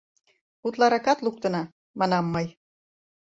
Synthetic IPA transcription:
ut̪lɑɾɑkɑt̪luk̚t̪ə̆nɑ | mɑnɑmːɤj

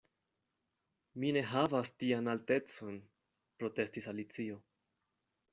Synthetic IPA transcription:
mine̞ɦavastianalte̞t͡so̞n | pɾo̞te̞stisalit͡sio̞

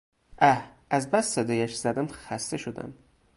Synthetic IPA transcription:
ʔæhʔæzbæssed̪ɒːjæʃz̥æd̪æmxæst̪eʃod̪æ̰m

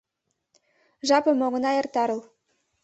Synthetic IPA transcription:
ʒɑpɤ̆moɣɤ̆nɑjɤ̆rt̪ɑɾɤ̆l

